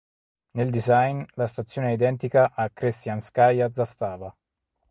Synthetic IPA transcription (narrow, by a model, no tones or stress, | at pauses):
neld̪izajnlast̪at̪sːjoːnɛid̪ɛnt̪ikaʔakːɾist̪janskajad̪zːast̪aːva